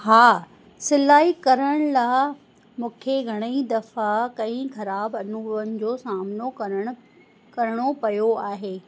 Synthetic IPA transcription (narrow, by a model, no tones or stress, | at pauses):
haː | sɪlaːɦikɐɾəɽ̃laːɪ | mũːkʰeɡʱɐɽ̃əid̪ɐfakɐ̃ĩxɐɾaːbɐnuːənɪ̆d͡ʑoːsaːmnokɐɾəɽ̃ | kɐɾɪɽ̃opɐjoaːɦeː